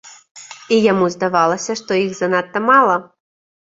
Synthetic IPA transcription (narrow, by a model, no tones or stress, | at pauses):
ijamuzd̪avɑlˠɐsʲɐʂt̪ɔiɣzɐnat̪ːɐmɑlˠɐ